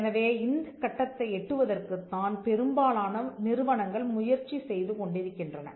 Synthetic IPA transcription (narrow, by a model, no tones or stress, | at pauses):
nɐʋeːɪnd̪ɯkːɐʈːɐt̪ːɐɪɛʈːɯʋɐðɐrkɯt̪ːaːnpɛɾɯmbaːlaːnɐnɪɾɯʋɐɳɐŋɡɐɭmʊjɐɾt͡ʃisɛjðɯkɔɳɖɪɾɯkːɪndrɐnɐ̰